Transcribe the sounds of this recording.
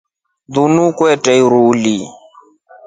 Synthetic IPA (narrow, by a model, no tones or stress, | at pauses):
d̪unuːkweʈeiɾuːliː